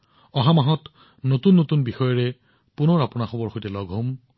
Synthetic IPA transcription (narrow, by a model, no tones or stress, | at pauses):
ɔɦamaɦɔt | notunːotunbixɔjɔɹɛ | punɔɹapʊnaxɔbɔɹxojtɛlɔɡʱɦom